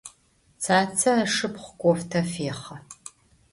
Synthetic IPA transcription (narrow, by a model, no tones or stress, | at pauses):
t͡sʰaːt͡sʰɐɐʂɨpχʷkʷʼɔftʰɐfeːχɐ